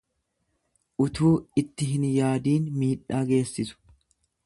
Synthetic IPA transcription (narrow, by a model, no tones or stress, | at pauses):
ʔʊt̪ʰuːɪt̪ːɪɦɪnjaːd̪iːnmiːᶑaːɡe̞ːsːɪsʊ̥